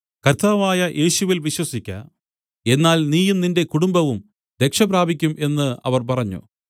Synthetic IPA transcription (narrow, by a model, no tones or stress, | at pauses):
kɐrt̪aːʋaːjɐʔe̞ːɕuʋilʋiɕwɐsikʲːɐ̰ | e̞nːaːlniːjumninde̞kuɽumbɐʋum | d̪e̞kʂɐbɾaːbʱikʲːumʔe̞nːɨɐ̰ʋɐrpɐrɐɲːṵ